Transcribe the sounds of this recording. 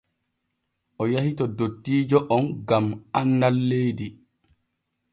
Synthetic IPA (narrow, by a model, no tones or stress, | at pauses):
ʔɔjahitɔdotːiːd͡ʒɔʔɔnɡamanːalːejdi